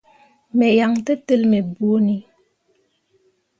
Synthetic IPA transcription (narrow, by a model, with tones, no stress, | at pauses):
mɛ˨ja˨ŋtə˦tə˦˨lme˨bu˦o˦ni˨